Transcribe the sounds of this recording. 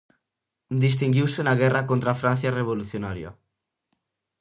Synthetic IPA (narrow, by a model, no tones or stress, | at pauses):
d̪is̬t̪iŋɡiwsenaɣ̞ɛrakont̪ɾafɾãn̟θjareβ̞oluθjonaɾja̰